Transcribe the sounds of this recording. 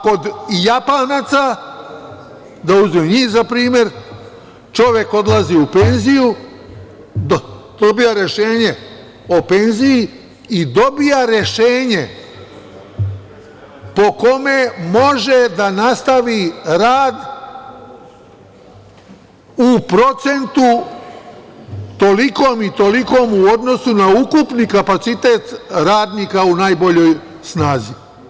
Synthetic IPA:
ko̞d̪japanat̪sa | d̪auzmeɲiːzapɾiːmje̞ɾ | t͡ʃo̞ʋjeko̞d̪lˠaziupenziju | d̪̥obijaɾje̞ʃe̞ːɲe̞ | ope̞nziji | id̪o̞bijaɾjeʃeːɲe | po̞ko̞memo̞ʒed̪anast̪aʋiɾaːd̪ | upɾo̞t̪se̞nt̪u | t̪o̞likoːmit̪o̞liko̞ːmuo̞d̪no̞sunaukupnikapat̪sit̪e̞ːt̪ɾaːd̪nikaunaːjbo̞ʎo̞ːj | snaːzi

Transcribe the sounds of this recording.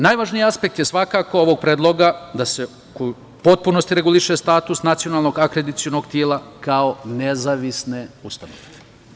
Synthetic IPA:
naːjʋaːʒnijaspe̞k̚t̪jesʋakaːko̞oʋo̞ɡ̚pɾeːd̪lˠo̞ɡad̪ase | koju | po̞t̪̚puno̞st̪iɾe̞ɡuliʃest̪aːt̪usnat̪sionalˠno̞ɡakɾe̞d̪it̪sio̞no̞ɡt̪jeːlakao̞nezaʋisne̞ust̪ano̰ʋe

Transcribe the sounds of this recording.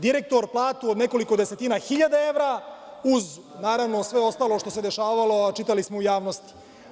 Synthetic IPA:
d̪iɾek̚t̪o̞ɾplˠaːt̪uod̪neko̞liko̞d̪ese̞t̪iːnaxiʎad̪ae̞ʋɾauznaːɾaʋnosʋe̞o̞st̪aːlˠo̞ʃt̪o̞sed̪eʃaːʋalo̞at͡ʃit̪alismoujaːʋnost̪i̥

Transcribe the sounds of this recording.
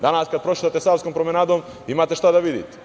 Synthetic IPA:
d̪anaskad̪̚pɾot͡ʃi̥t̪at̪ɛsaskompɾomɛnad̪om | imat̪ɛʃt̪ad̪aʋid̪ḭt̪ɛ̥

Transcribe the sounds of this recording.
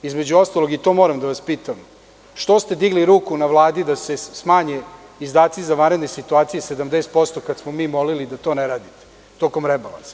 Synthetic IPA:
izme̞d͡ʑuo̞st̪alo̞ɡit̪o̞mo̞ːɾamd̪aʋaspiːt̪am | ʃt̪o̞st̪e̞d̪iɡliɾuːkunaʋlˠaːd̪id̪ase̞smaːɲeizd̪aːt̪sizaʋanɾed̪nesit̪uaːt̪sijese̞d̪amd̪eːst̪̚po̞st̪okad̪smomiːmo̞lilid̪at̪o̞neɾaːd̪it̪e̥ | t̪o̞ko̞mɾebala̰nsḁ

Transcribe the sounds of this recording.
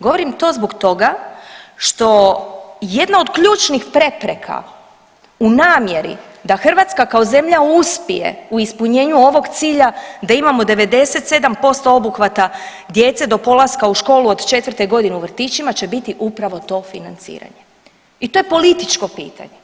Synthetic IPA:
ɡo̞ʋo̞ɾimt̪o̞ːzboɡt̪o̞ɡa | ʃt̪o̞ | je̞d̪nao̞d̪kʎuːt͡ʃnixpɾe̞pɾe̞kʰa̰ | unaːmje̞ɾḭd̪axr̩ʋat̪skakao̞ze̞mʎauspije̞̰uispuɲe̞ːɲuo̞ʋo̞ɡt̪siːʎad̪aimamo̞d̪e̞ʋe̞d̪e̞se̞t̪se̞d̪ampo̞st̪o̞o̞buxʋat̪a | d̪je̞t̪se̞d̪o̞po̞lˠaskauʃko̞ːlˠuo̞d̪t͡ʃe̞t̪ʋrt̪e̞ɡo̞d̪ineuʋr̩t̪iːt͡ʃimat͡ʃe̞bit̪iʔupɾaʋo̞t̪o̞ːfinant̪sḭːɾa̰ɲe | it̪o̞je̞po̞lit̪it͡ʃko̞pḭːt̪a̰ɲe

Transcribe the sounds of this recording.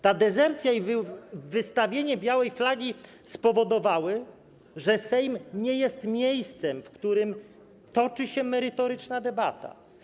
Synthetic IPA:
t̪ad̪ɛzɛɾt̪sʲjaivvɘst̪avʲjeɲɛbʲjawɛjflaɡʲi | spɔvɔd̪ɔvawɘ | ʐɛsɛjmɲɛjɛst̪mʲjejst̪sɛmfkt̪uɾɘm | t̪ɔt͡ʂɘɕɛmɛɾɘt̪ɔɾɘt͡ʂnad̪ɛbat̪a̰

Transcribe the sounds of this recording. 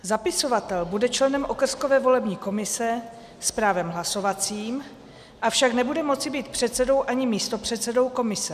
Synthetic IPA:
zapɪso̞vat̪ɛlbudɛt͡ʃlɛnɛmʔo̞kr̩sko̞vɛːvo̞lɛbɲiːko̞mɪsɛ | spɾaːvɛmɦlaso̞vat͡siːm | ʔafʃaknɛbudɛmo̞tt͡sɪbiːt̪̚pr̝̥ɛt̪t͡sɛdo̞wʔaɲɪmiːst̪o̞pr̝̥ɛt̪sɛdo̞wko̞mɪsɛ

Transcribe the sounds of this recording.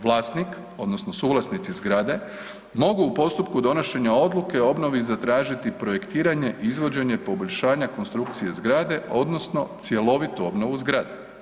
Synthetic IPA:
ʋlˠaːst̪nik | o̞d̪no̞snosuːɡlˠasnit̪sizɡɾad̪e̞ | mo̞ɡuːpo̞st̪upkud̪o̞no̞ʃe̞ɲao̞d̪lˠuke̞o̞bno̞ʋizat̪ɾaːʒit̪ipɾo̞je̞kt̪iːɾaɲe̞ʔiizʋo̞d͡ʑe̞ɲe̞po̞bo̞ʎʲʃaːɲako̞nst̪ɾuk̚t̪sije̞zɡɾaːd̪e̞o̞d̪no̞sno̞̰t̪sje̞lo̞ʋit̪uo̞bnoʋuzɡɾaːd̪e

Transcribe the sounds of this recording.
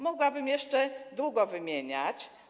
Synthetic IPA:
mɔɡwabɘmjɛʂt͡ʂɛd̪wuɡɔvɘmʲjeɲat͡ɕ

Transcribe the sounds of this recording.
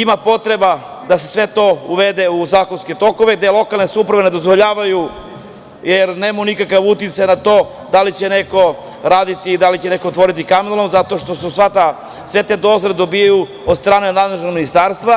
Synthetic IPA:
imapo̞t̪ɾe̞ba | d̪asesʋe̞t̪o̞uʋed̪euzaːko̞nske̞t̪o̞ko̞ʋeɡ̚d̪elˠo̞kalnesupɾaʋene̞d̪o̞zʋoʎaːʋaju | jeɾneːmunikakaʋut̪it̪sajnat̪o̞ː | d̪alit͡ɕe̞ne̞ko̞ | ɾaːd̪it̪id̪alit͡ɕene̞koːt̪ʋo̞ɾit̪̬ikaminlˠomzat̪o̞ʃt̪o̞susʋat̪a | sʋe̞t̪e̞d̪o̞zled̪o̞bijaju | od̪st̪ɾaːnenad̪leʒnoɡminist̪aːɾst̪ʋa

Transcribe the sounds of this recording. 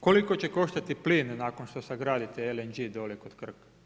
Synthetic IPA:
koliko̞t͡ɕe̞ko̞ʃt̪at̪ipliːnːaːko̞nʃt̪osaɡɾaːd̪it̪eelend͡ʑid̪o̞lekod̪kr̩k

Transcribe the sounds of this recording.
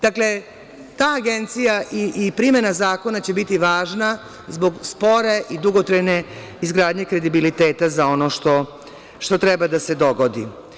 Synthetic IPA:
d̪̥akle̞ | t̪aːɡe̞nt̪sijaʔiːpɾime̞nazaːko̞nat͡ɕe̞bit̪iʋaːʒna | zbo̞ɡspo̞ɾe̞ʔid̪uɡo̞t̪ɾajne̞ | izɡɾaːd̪ɲe̞kɾe̞d̪ibilit̪e̞ːt̪azao̞noʃt̪o̞ | ʃt̪o̞t̪ɾebad̪ase̞d̪o̞ɡo̞d̪ḭ

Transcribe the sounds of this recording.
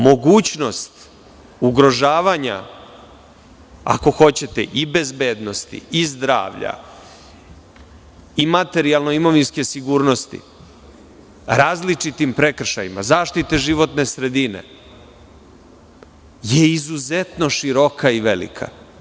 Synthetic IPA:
mo̞ɡuːt͡ɕno̞st̪ | uɡɾo̞ʒaːʋaɲa̰ | a̰ko̞xo̞t͡ɕe̞t̪ḛʔibe̞zbeːd̪no̞st̪ḭizd̪ɾa̰ːʋʎa̰ | imat̪e̞ɾialˠno̞imo̞ʋinske̞siɡuːɾno̞st̪ḭ | ɾaːzlit͡ʂit̪impɾe̞kr̩ʃajima̰zaːʃt̪it̪e̞ʒiʋo̞t̪ne̞sɾe̞d̪ine̞̰ | je̞izuze̞t̪no̞ʃiɾo̞kʰaiʋe̞lḭkʰa̰

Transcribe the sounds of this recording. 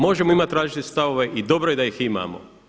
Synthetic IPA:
mo̞ʒemoimat̪ɾaːʒit̪est̪aʋoʋeʔid̪o̞bɾojed̪ajixima̰ːmo̰

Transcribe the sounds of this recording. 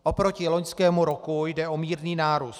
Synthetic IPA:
ʔopɾo̞cɪlo̞ɲskɛːmuɾokujdɛʔomiːɾniːnaːɾuːs

